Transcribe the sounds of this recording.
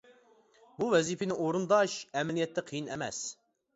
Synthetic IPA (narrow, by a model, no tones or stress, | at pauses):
buvɛzipɪnɪŋoɾund̪ɑʃɛmɪlijɛt̪ʰːɛqʰijinɛ̰mɛ̰s